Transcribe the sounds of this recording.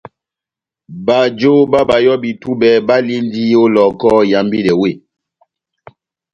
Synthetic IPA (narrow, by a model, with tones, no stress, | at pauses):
ba˨d͡ʒo˦ba˦ba˨jɔ˦bi˨tu˦bɛ˨ba˦li˦n˦di˦o˦lɔ˨kɔ˦ja˨mbi˦lɛ˨we˦˨